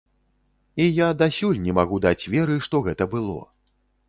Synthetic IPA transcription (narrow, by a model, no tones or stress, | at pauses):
ijad̪asʲulʲnʲɛmaɣud̪at͡sʲvʲɛɾɨʂt̪ɔɣɛt̪ɐbɨlˠɔ̰